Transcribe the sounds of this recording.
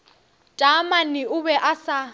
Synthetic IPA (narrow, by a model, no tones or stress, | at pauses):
tʼamanɪʊbɛʔasa